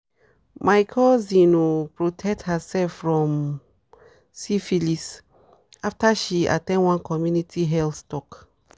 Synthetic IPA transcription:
majkʰɔzĩnopɹotʰɛk̚thasɛlfɹɔ̃m | sifilis | aftaʃia̰tɛ̃nwãnkʰɔmjunitʰiɦɛltɔk

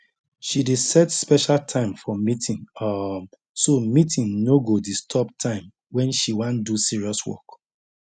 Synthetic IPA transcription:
ʃidesɛtspɛʃaltʰãɪ̃mfɔmitʰĩnɔ | somitʰĩnnoɡodistʰɔptʰãɪ̃m | wɛ̃nʃiwãndusiɹiɔswɔ̰k

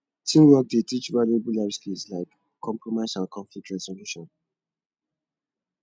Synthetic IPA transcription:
tʰĩmwɔk̚detit͡ʃvaliobulabskislaɪkʰː | ɔ̃mpɹɔmaʃalkʰɔ̃ɱflik̚tɹɛzɔluʃɔ̃n

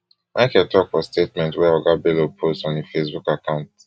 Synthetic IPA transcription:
mʔaɪkɛtɔkfɔstetmɛ̃ntwɛɔɡabelopʰostɔ̃nefesbukakʰãʊ̃nt

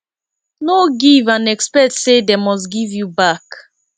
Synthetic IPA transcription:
noɡivãnɛkspɛtsedemɔs̬tɡivjubak

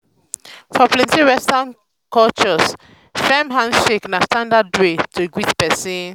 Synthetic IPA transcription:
fɔplɛ̃ntĩɹɛstãn | kɔlt͡ʃɔs | fɛmɦãndʃeknastãndadɹetʰoɡwitpɛsĩn

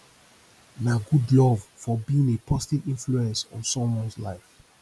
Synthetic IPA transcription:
naɡudlɔvfɔbiĩŋepʰɔzitivĩnfluɛ̃nsɔ̃nsɔ̃mwɔ̃nslaɪf

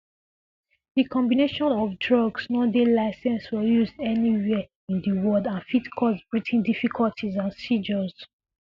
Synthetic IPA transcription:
dikʰɔ̃mbineʃɔ̃nɔvdɹɔɡsnɔdelaɪsɛ̃nswɛjuzdɛniwɛ | ĩndiwɔdãnfitkʰɔsbɹitʰĩndifikʰɔltʰizãnsid͡ʒɔz̥

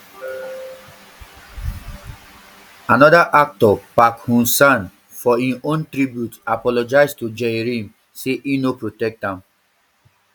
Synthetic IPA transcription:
anɔdaʔak̚tɔpakhũsãn | fɔĩnõntɾibjutapɔlɔd͡ʒaɪstud͡ʒeɹĩm | seʔinopɹotɛk̚tãm

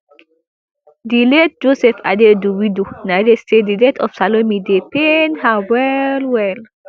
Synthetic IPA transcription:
dilɛt̚d͡ʒosɛfa̰dɛduwidunadestedilɛtʰɔfsalomidepenhawɛlwɛl

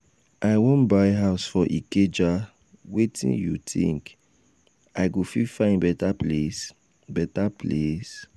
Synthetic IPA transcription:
ʔaɪwõnbaɪɦaʊsfɔʔiked͡ʒa | wetḭ̃njutʰḭ̃ŋk | aɪɡofifãɪ̃nbɛtaples | bɛtaples

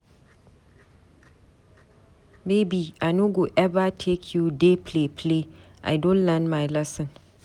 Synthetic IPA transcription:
mebiaɪnoɡoʔɛvatʰekʰjudepʰlepʰle | ʔa̰jdõnlɛ̃nmajlɛsə̃n

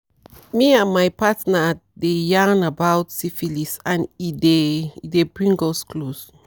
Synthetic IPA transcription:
miãnmajpatnadejanabawtsifilisãnidedebɹĩŋɡosklos

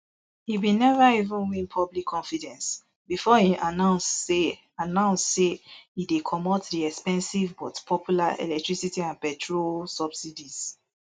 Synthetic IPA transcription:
hiwinɛvaivə̃nwĩnpʰɔblikʰːɔ̃nfidɛ̃ns | bifɔhiʔanãʊ̃nse | anãʊ̃nsssehidekʰɔmɔtdiɛkspɛ̃nsivbɔtpʰɔpʰjulaɛ̰lɛk̚tɹisitiãnpɛtʰɹolsɔb̥sidiz̥

